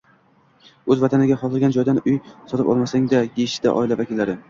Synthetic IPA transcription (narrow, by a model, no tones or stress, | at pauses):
ɵzvat̪ʰanɪɡʲaχɒlˠɨlɡʲand͡ʒɒjd̪anʊjsɒt̪ʰɪpɒ̰lˠmasaŋd̪ajeʃɪ̥d̪a̰ʔɒ̰ɪlavakʲɪlːaɾɪ